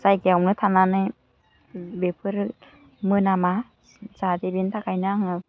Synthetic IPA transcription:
zajɡeawmnɯt̪ʰananɯj | bepʰɯɾ | mɯnama | zadebint̪ʰakʰajnaŋɯ

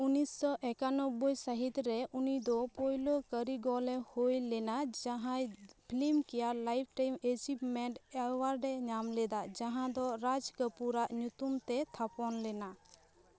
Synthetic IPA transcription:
unisːɔʔɛkanɔbujsəɦit̪ɾɛunid̪ɔpojlokəɾiɡɔlɛhojlɛnad͡ʒaɦãjpʰilimkɛjalajpʰʈajmed͡ʒipmɛɳʈawaɾɖɛɲamlɛd̪ad͡ʒaɦãd̪ɔɾad͡ʒkəpuɾaʔɲut̪umt̪ɛt̪ʰapɔnlɛna

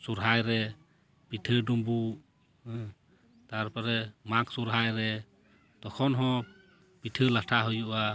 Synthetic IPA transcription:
suɾɦajɾɛ | pitʰədumbu | t̪aɾpɔɾɛmaksuɾɦajɾɛ | t̪ɔkʰɔnɦɔ̃ | pitʰəlatʰaɦɔjuʔa

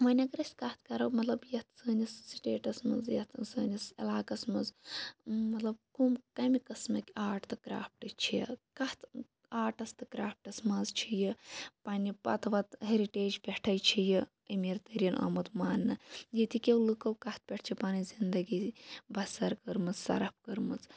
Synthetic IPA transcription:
ʋɐnʲɐkɾɐsʲkɐt̪̚ʰkɐɾɐmɐt̪lɐbjɐt̪ʰsəːnʲisːiʈeːʈɐsmɐnzjɐt̪ʰsəːnʲisɐ̰laːkɐsmɐnz | mɐt̪lɐb̚kumkɐmikɐsmɐkʲaːʈt̪ɨkɾa̰ːp̚ʈɨt͡ʃʰiɐkɐht̪ʰ | aːʈɐst̪ɨkɾaːp̚ʈɐsmɐzt͡ʃʰijipaːnipɐ̰t̪ʰʋɐt̪ɦeɾiʈeːd͡ʒpʲeʈʰɐjt͡ʃʰiji | əmiɾt̪ɐɾiɐnʔɐ̰mɐt̪maːnːɨjit̪ikʲewlɨkɐwkɐht̪̚pʲeʈʰt͡ʃʰipaːnizind̪ɐɡibɐsɐɾkəɾmɨt͡ssɐ̰ɾɐp̚ʰkəɾmɐt͡s

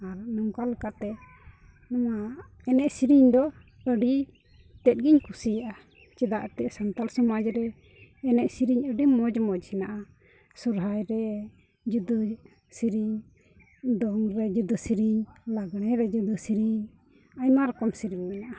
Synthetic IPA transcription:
aɾnɔŋkalukat̪ɛ | nɔwa | ɛnɛʔsiɾiɲd̪ɔ | əɖi | t̪ɛt̪̚ɡiɲkʰusijaʔa | t͡ʃɛd̪aʔt̪ɛʔsant̪alsɔmad͡ʒɾɛː | nɛʔsiɾiɲəɖimɔd͡ʒmɔd͡ʒsinaʔa | sɔɾɦajɾɛ | d͡ʒud̪ə | siɾiɲ | d̪ɔŋɾɛd͡ʒud̪əsiɾiɲlaɡɽ̃ɛɾɛd͡ʒud̪ɔsiɾiɲ | ajmaɾɔkɔmsiɾiɲmɛnaʔa

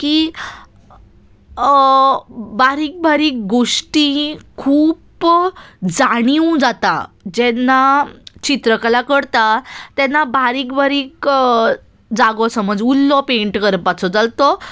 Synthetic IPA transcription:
kiː | baɾiːk̚bʱaɾiːk̚ɡoʂʈĩkʰuːp | d͡zaɽ̃iwd͡zat̪ad͡ʑɛnːat͡ɕit̪ɾəkalakəɽt̪at̪ɛnːabaɾiːkbaɾiːk | d͡zaɡɔsəməd͡zulːɔpeɳʈkəɾəpat͡sʰɔd͡zalt̪ɔ

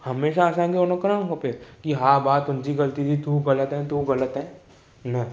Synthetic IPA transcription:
hɐmeːʃaːsãːɡeonokəɾaːnɦoːpekiɦãːbaːt̪ʊnsiɡɐlt̪it̪ʰit̪uɣɐlət̪ɦɛ̃ːt̪uɣɐlət̪ɦɛ̃ː | nɐ

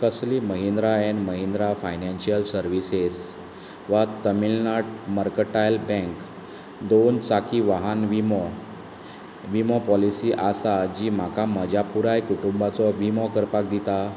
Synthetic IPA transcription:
kəsliməɦind̪ɾaɛnməɦind̪ɾafajnɛ̃nɕiəlsəɾʋises | ʋat̪əmilnaʈməɾkəʈajlbɛ̃ŋk | d̪ont͡sakʰiːʋaɦanʋimɔ | ʋimɔpɔlisiːʔasad͡ʑiːm̤akaməd͡ʑapuɾajkuʈumbat͡sɔʋimɔkəɾpak̚d̪it̪a

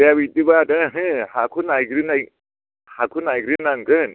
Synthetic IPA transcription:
jaβitibadɯɦɯhakʰunajɡɾɯnaj | hakʰunajɡɾɯnaŋɡɯn

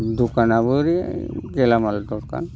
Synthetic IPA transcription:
d̪ukanabuɾiɡɛlamald̪ɔɾka̰n

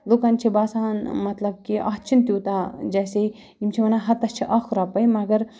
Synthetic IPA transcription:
loːkant͡ʃʰibaːsaːnmɐt̪lɐb̚kiʔɐ̰ːt͡ʃʰint̪juːt̪ad͡ʒɛːse | imt͡ʃʰiʋɐnaɦɐt̪ɐst͡ʃʰiʔaːkʰuɾapɐjmɐɡɐɾ

